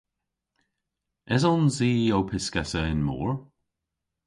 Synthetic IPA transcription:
ɛzɔnziːowpʰɪskɛsəɪnmo̰ːɹ

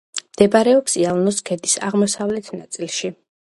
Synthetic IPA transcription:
md̪̥ɛbaɾɛɔpsialˠnɔskʰɛd̪isa̰ʁmɔsavlɛt̪ʰnat̪sʼilˠʃi

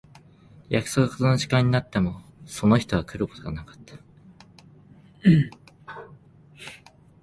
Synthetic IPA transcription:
jakɯ̟̥so̞kɯ̟ko̥t̪onoʑikãɲ̟ːinat̪ːe̞mo̞so̞no̞çi̥t̪o̞β̞akɯ̟ɾɯko̞t̪oɡa̰nakḁt̪ːḁ

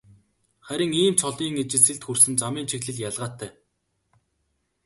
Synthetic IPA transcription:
χæɾʲɪ̆ŋiːmt͡ɕʰɔɮiːŋet͡ɕɪ̆ɮsɘ̆ɮt̪xursɘ̆nt͡samiːnt͡ɕʰiɣɮɘ̆ɮjaɮʁaːt̪ʰːæː

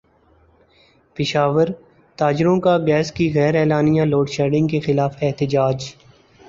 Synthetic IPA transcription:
pɪʃaːʋəɾ | t̪aːd͡ʒɾõkaɡɛːskiɣɛːɾɛːlaːnijãloːɖʃɛːɖɪ̃ŋɡkexɪlaːfɛɦt̪ɪd͡ʒaːd͡ʒ

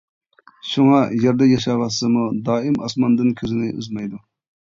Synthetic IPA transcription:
ʃuŋɑjeɾd̪ɛjɑʃɑvɑsɨmud̪ɑːɨmɑsmɑnd̪ɨnkʲʰøzɪnɪʔy̰zmɛjd̪u

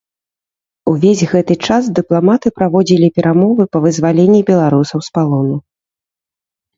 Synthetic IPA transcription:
uvʲezʲɣɛt̪ɨt͡ʂasd̪ɨplˠamat̪ɨpɾavɔd͡zʲilʲipʲɛɾamɔvɨpɐvɨzvalʲenʲːibʲɛlˠaɾusɐwspalˠɔnu

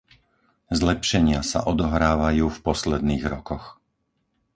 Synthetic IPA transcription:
zlɛpʃɛɲɪasa̰ʔɔd̪ɔɦɾaːʋajuːfpɔslɛd̪niːɣɾɔkɔx

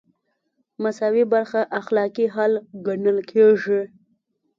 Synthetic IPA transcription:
masɑwibaɾxaʔaxlɑkiɦalɡanəlkʰeʐi

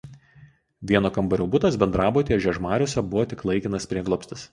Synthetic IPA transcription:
ʋʲiɛnoːkɐmbɐɾʲoːbʊt̪ɐsbʲɛnd̪ɾɑːboːt̪ʲiɛʒʲɛʒmɑːɾʲoːsʲɛbʊʋoːt̪ʲɪklˠɐɪkʲɪnɐspʲɾʲiɛɡlˠoːpʲst̪ʲɪs

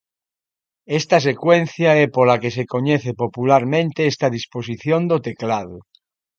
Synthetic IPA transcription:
est̪as̬e̞kwe̞n̟θjaepolakesekoɲeθepopulaɾmẽnt̪eest̪aðisposiθjond̪ot̪eklað̞o

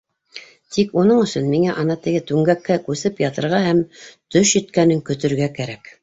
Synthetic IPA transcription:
t̪ikunɤɴɵ̆sɵnmiŋæʔɑnɑt̪ɘ̆ɡɘt̪ʉŋɡækːækʉsɘpjɑt̪ɤ̆ɾʁɑhæmt̪ɵʃjɵ̆t̪kænɘŋkɵ̆t̪ɵ̆ɾɡækæɾæk

